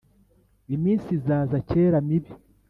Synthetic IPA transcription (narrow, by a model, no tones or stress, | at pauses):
imiːnsizaːzace̞ːɾamiβi